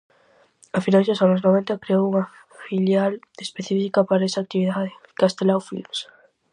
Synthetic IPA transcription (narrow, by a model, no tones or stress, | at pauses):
afinazosanʊznoβ̞ent̪ɐkɾeowuŋɐ | filjal | espeθifikapaɾaesak̚t̪iβiðaðɪkast̪elawfḭlms